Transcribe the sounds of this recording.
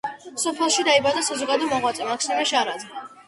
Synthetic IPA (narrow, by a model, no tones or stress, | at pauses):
sɔpʰɛlˠʃid̪aibad̪asazɔɡad̪ɔmɔʁwat̪sʼɛmakʰsnɛmɛʃaɾad̪zɛ